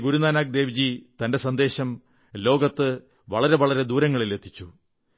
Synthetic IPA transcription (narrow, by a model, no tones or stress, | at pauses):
ɡuɾunaːnaːk̚d̪e̞ːʋid͡ʑit̪ɐndesɐnd̪e̞ːɕɐm | lo̞ːɡɐt̪ːɨ | ʋɐɭɐɾe̞ʋɐɭɐɾe̞d̪uːɾɐŋːɐɭile̞t̪ʰːit͡ɕːu